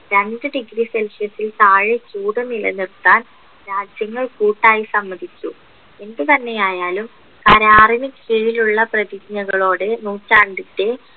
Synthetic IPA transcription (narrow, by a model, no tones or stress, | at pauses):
ɾeɳɖɨɖiɡɾiselʂjɐsilt̪aːɻet͡ɕuːɽɐnilɐ̰nirt̪ːaːn | ɾaːd͡ʑjɐŋːɐɭkuːʈːaːjisɐmːɐd̪ʱikʲːu | e̞nd̪ɨt̪ɐnːe̞jaːjaːlum | kɐɾaːrinɐkiɻiluɭːɐprɐðikɲɐɣɐɭo̞ːɽe̞nuːt͡ɕːaːɳɖitːe